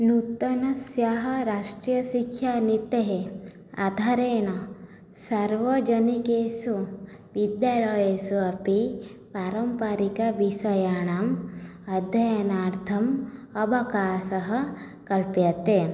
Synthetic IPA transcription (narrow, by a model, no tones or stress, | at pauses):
nut̪ɐnɐsjaɦɐɾaːʂʈɾijɐʃikʰjanit̪eɦe | a̰d̪ʱaɾeːɳɐ | sɐɾʋɐd͡ʒɐnikeːsu | ʋid̪jaːɭɐjeːsuɐpipaːɾɐmpaɾikɐʋisɐjaːɳaːmɐd̪ʱjɐjɐnaːɾt̪ʰɐmɐbʱɐkaːsɐɦɐ̆ | kɐlpjɐt̪e